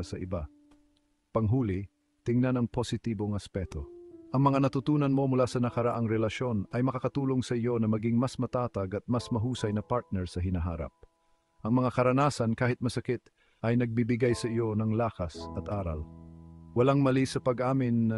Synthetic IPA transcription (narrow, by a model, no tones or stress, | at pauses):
sɐʔɪba | pɐŋɦuːlɪ | t̪ɪŋnanɐŋposɪt̪iːboŋɐspɛt̪o̞ʔɐŋmɐŋanɐt̪ʊt̪uːnɐnmo̞mʊlasɐnɐkɐɾɐʔaŋɾɛlɐʃo̞nɐjmɐkakɐt̪uːlo̞ŋsɐʔɪjo̞nɐmɐɡɪŋmasmɐt̪aːt̪ɐɡɐt̪̚masmɐɦuːsɐjnɐpaɹt̪̚nɛɹsɐɦɪnɐɦa̰ːɾa̰p̚ | ʔɐŋmɐŋakɐɾɐnaːsɐnkaːhɪt̪̚mɐsɐkɪt̪ | ʔɐjnɐɡ̚bibɪɡajsɐʔɪjo̞nɐŋlaːkɐsɐt̪ʔaːɾɐ̰l | wɐlaŋmɐlisɐpɐɡʔaːmɪnːɐ